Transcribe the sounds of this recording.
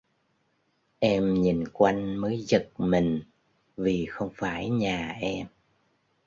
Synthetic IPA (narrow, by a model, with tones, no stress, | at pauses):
ʔɛ˧mɲi˨˩nkwa˧jŋməː˨˦jzə˨˩t̚mï˨˩ŋ̟ | vi˨˩xə˧wŋ͡mfaː˧˩jɲaː˨˩ʔɛ˧m